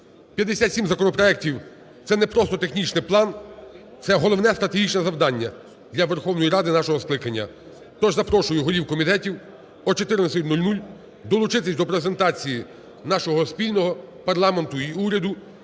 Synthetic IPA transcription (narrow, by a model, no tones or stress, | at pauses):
pʲjɐd̪esʲat̪ʲsʲimzɐkɔnɔpɾɔɛk̚tʲiw | t̪sɛnɛpɾɔst̪ɔt̪exnʲit͡ʃnɪplˠɑn | t̪sɛɦɔlˠɔwnɛst̪ɾɐt̪eɦʲit͡ʃnɛzɐwd̪ɑnʲːɐ | d̪lʲɐʋerxɔwnɔjiɾɑd̪ɪnɑʃɔɦɔsklˠɪkɐnʲːɐ̰ | t̪ɔʒzɐpɾɔʃʊjʊɦɔɾʲiwkɔmʲit̪ɛtʲiw | ɔt͡ʃɔt̪ɪɾɪnɐsʲɪt̪ʲnulʲnulʲ | d̪ɔlˠʊt͡ʃɪt̪ɪsʲd̪ɔpɾeze̞nt̪ɑt͡sʲiji | nɑʃɔɦɔspʲilʲnɔɦɔpɐrlˠɑment̪ʊiuɾʲɐd̪ʊ